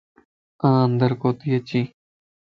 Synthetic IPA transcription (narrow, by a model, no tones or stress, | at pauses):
ãːənd̪əɾkoːt̪ijɐt͡ʃiː